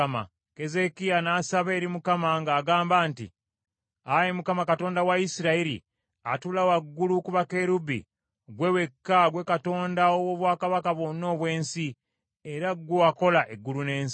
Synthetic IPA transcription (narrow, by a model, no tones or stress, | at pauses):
ma̰ | ke̞ze̞kijanaːsaβe̞ːɾimukamaŋɡaːɡaːmbaːntḭ | aje̞mukamakato̞ːndawaisiɾaiɾḭ | a̰tulawaɡːulukuβakeɾubḭ | ɡwewe̞kːaɡwe̞kato̞ːndaowo̞βwaːkaβakaβwo̞nːo̞βwe̞ːnsi | eɾaɡoako̞laʔe̞ɡːulune̞ːns